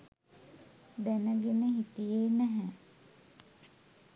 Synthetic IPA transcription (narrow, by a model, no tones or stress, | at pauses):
d̪ænəɡenəɦit̪ijeːnɛɦɛ